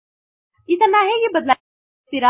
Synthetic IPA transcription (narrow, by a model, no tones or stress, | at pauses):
ɪt̪naɦejebɐd̪la | t̪ɪɾa